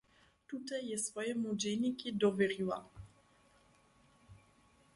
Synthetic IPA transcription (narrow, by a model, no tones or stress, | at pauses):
t̪ut̪ɛjːɛsfɔjɛmud͡ʑɛjnʲikid̪ɔvʲɛɾʲiwa̰